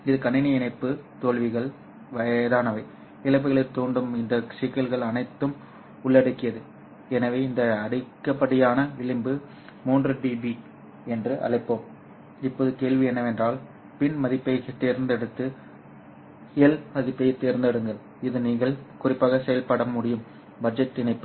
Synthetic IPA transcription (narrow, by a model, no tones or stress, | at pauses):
ɪðɯkɐnːɪnɐɪnɐɪpːɯt̪oːɭʋɪɣɐɭ | ʋɐjɐðaːnɐʋɐɪ | ɪlɐɪp̬ːɪɣɐɭɐɪt̪ːoːɳɖɯmɪnd̪ɐsɪkːɐlɣɐɭɐnɐɪt̪ːɯm | ʊɭːɐɽɯkːɪjɐðɯ | ɛnɐʋeːɪnd̪ɐːɽɪkːɐpːɐɽɪjaːnɐʋɪɭɪmbɯ | muːndrɐɖibi | ɛndrɯʔɐ̰ɭɐɪpːoːm | ɪpːoːðɯkeːɭʋɪɛnːɐʋɛndraːl | pɪnmɐðɪpːɐɪjt̪eːɾnd̪ɛɽɯt̪ːɯ | ɪjɐlmɐðɪpːɐjt̪ːeːɾnd̪ɐɽɯŋɡɐɭ | ɪðɯniːŋɡɐɭkʊrɪpːaːɣɐsɛjɐlpɐɽɐmʊɽɪjɯm | bɐd͡ʒɐʈːɪnɐɪpːɯ